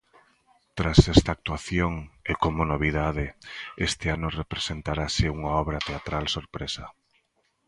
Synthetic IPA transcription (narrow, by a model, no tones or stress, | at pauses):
t̪ɾasɛst̪aːk̚t̪waθjoŋekomʊnoβ̞iðaðɪest̪ɪanʊrepɾesent̪aɾasɪuŋaɔβɾat̪eat̪ɾalsoɾpɾesɐ